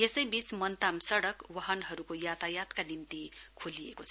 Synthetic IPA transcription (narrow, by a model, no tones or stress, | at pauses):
esʌjbit͡smʌnt̪amsʌɽʌkwʌɦʌnɦʌɾukojat̪ajat̪kanimt̪ikʰulijekot͡sʰ